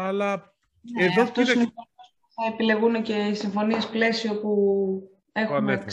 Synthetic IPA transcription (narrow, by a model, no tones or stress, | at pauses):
ɐlɐ | neðoft̪osinifoosuθɐepile̞ɣune̞ce̞isiɱfo̞nie̞sple̞sio̞pu | e̞xne